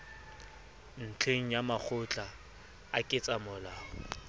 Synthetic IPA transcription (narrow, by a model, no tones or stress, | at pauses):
n̩t͡ɬʰeŋ̩jamak͡xʰʊt͡ɬʼa | a̰kʼɪt͡sʼamʊlaːɔ